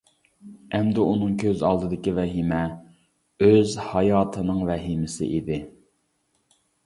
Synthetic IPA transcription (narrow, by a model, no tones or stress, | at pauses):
ɛmd̪ɪunɨŋkʲʰøzɑlˠd̪ɨd̪ɪkʲivɛɦimɛ | øzhɑjɑːt̪ʰɨnɨŋvɛɦimɪsɪ̰ʔid̪ɪ